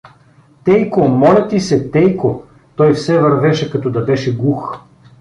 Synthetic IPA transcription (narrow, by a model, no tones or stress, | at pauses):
t̪ɛjkomɔlʲɛt̪isɛt̪ɛjko | t̪ɔjfsɛvɐɾvɛʃɛkɐt̪ɔd̪ɐbɛʃɛɡux